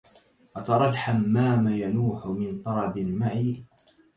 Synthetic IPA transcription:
ʔat̪ɑɾˤɑlħamːaːmajanuːħʊmɪnt̪ˤɑɾˤɑbɪnmaʕiː

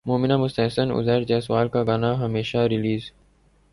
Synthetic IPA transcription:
moːmɪnaːmʊst̪eːsənʊ̰zəːɾd͡ʒɛːswaːlkaɡaːnaɦəmeːʃaɾɪliːz

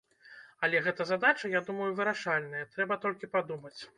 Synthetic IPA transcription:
ɐlʲɛɣɛt̪ɐzad̪at͡ʂɐjad̪umɐjuvɨɾaʂalʲnɐjɐt̪ɾɛbɐt̪ɔlʲkʲipad̪umɐt͡sʲ

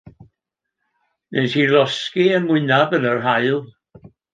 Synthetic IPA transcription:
nʔesilɔskiənmwɪnabənərɦaɨlˠ

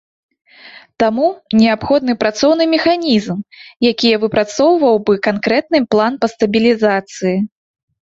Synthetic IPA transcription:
t̪amunʲɛapxɔd̪̚nɨpɾat̪sɔwnɨmʲɛxanʲizmjakʲijɐvɨpɾat̪sɔwvɐwbɨkankɾɛt̪nɨplˠanpɐst̪ɐbʲilʲizat̪sɨji

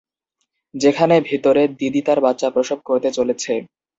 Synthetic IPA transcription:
d͡ʑekʰanebʱit̪oɾed̪id̪it̪aɾbatːɕapɾoʃob̚koɾt̪et͡ɕolet͡ɕʰe

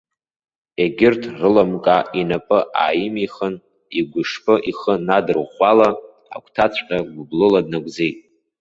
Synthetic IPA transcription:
eɡʲɪrtʰrɨlamkʼainapʼɨʔa̰ːjɪmiχən | iɡʷʊʂpʰɨʔiχənadɨrʁʷala | a̰kʷʰtʰat͡ɕʷʰʼqʲʼaɡʷʊblɨladnaɡʷzejtʼ

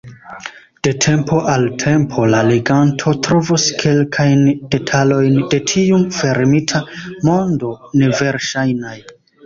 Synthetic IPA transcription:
d̥e̞tʰe̞mpʰo̞ʔaltʰe̞mpʰo̞laliɡantʰo̞tɾo̞voskʰe̞lkʰajnd̥e̞tʰalo̞jnde̞tʰiumfe̞ɾmitʰamo̞ndo̞ne̞ve̞ɾʃajnaj

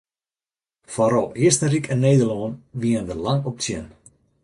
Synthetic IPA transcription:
foɾɔlˠiəstərikʰɛnːeːdərlɔːnʋiənʋəlaŋɔp̚tjən

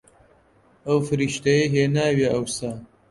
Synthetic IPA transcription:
ɐwfɨɾiːʃt̪ɐjɐjɦeːnaːwjeʔɐwsaː

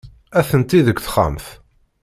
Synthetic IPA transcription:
æθənt̪iðəkʷθχa̰mθ

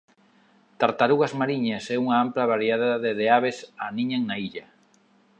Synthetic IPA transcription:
t̪aɾt̪aɾuɣazmaɾiɲasɛuŋaamplaβaɾjaðaðeðeaβesaniɲaŋnaiʎa

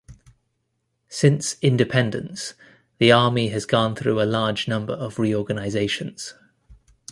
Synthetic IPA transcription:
sɪ̃nsɪ̃ndɪpʰɛ̃ndə̃ns | ðiɑːmiəzɡɔ̃nθɹʉ̰ːəlɑːd͡ʒnʌ̃mbə̰ɹəvɹiːɔːɡənaɪzeɪʃə̃nz̥

